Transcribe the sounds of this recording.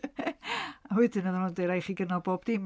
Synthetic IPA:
ahwɛdɪnəðɔnundeɾajχiɡənalˠboːb̥d̥im

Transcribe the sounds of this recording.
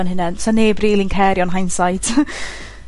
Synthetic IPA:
nɦɪnɛnsɔneːbriːlˠinkʰɛːɾjɔnɦajnsajd̥

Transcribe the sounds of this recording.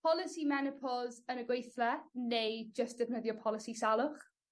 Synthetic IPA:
pʰɔlˠɪsimɛnɪpʰɔzənəɡwejθlɛnejd͡ʒəstd̥ɪvnəðjɔpʰɔlˠɪsisalˠʊχ

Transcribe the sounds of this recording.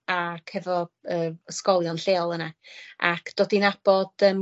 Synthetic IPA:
akʰhɛvɔəːəskɔlˠjɔnɬeːlˠənaa̰kʰd̥oːdinab̥ɔd̥əm

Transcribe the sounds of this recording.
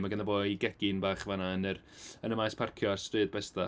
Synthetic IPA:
maɡəndaboːiɡɛɡ̥ɪnbaːχvanaənər | ənəmajspʰarkʰjɔarstrɨːd̚bɛsta

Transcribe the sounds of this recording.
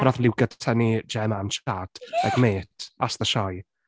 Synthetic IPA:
naθlˠɪwɡatʰənid͡ʒɛmanʃad̥ɛ̰ɡmeːtʰasðəʃɔj

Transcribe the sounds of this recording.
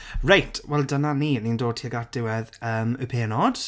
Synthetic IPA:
ɹajtʰwɛlˠdənaniːnindoːd̚tʰiəɡat̚d̥ɪwɛðəːməpʰeːnɔd̥

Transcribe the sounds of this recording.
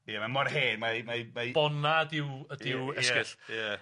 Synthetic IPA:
jamamɔrheːnmamamabɔnadɪwədɪwɛsɪɬja

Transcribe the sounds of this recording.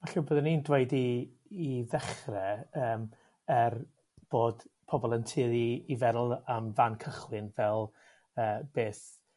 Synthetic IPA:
maɬəbəːðɛniːndweɨdiː | ðɛχrɛəːm | ər | b̥oːdpʰɔbɔlˠəntʰɨːðiːvɛɾlˠamvankʰəχwɨnvɛlˠ | əːb̥eːθ

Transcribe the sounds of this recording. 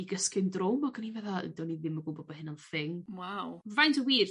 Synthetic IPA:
iɡəskɪndrʊmɔɡənivɛðaə̰dɔniðɪmɔɡʊbɔbahɪnanθɪŋwawvajntʰəwiːr

